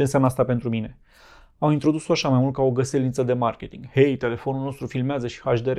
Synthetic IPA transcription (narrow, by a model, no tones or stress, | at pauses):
ensjamnas̬t̪ape̞nt̪ɾumine̞ | amint̪ɾo̞d̪usoaʃamajmult̪̚kaoɡəselint̪səd̪e̞markʲe̞t̪iŋɡhe̞jt̪e̞le̞fo̞nulno̞st̪ɾufilmeazəʃi̥haʃd̪eɾe